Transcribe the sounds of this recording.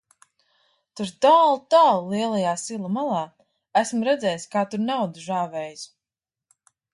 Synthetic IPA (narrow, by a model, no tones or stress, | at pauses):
t̪uɾd̪alˠt̪aːlˠliɛlˠajaːsilˠumalˠɑː | æsmɾɛd̪zʲɛːjskaːt̪uɾnawd̪uʒaːvɛːjs